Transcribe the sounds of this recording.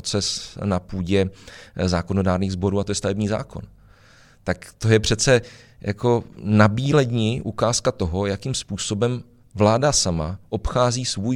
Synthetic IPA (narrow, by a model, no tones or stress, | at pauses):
t͡sɛsnapuːɟɛzaːko̞no̞daːɾniːɣzbo̞ɾuːat̪o̞jɛst̪avɛbɲiːza̰ːko̞̰n | t̪akt̪o̞jɛpr̝̥ɛt͡sɛ | jʔa̰ko̞nabiːlɛdɲɪʔukaːskat̪oɦo̞jakimspuːso̞bɛm | vlaːdasama̰ʔo̞pxaːziːsvuj